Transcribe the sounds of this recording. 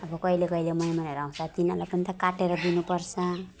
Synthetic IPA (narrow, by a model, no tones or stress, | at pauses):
ʌbʌkʌilekʌilemʌjmʌneɾaũt͡sʰʌt̪inalapʌnit̪ʌkaʈeɾʌd̪inupʌrt͡sʰʌ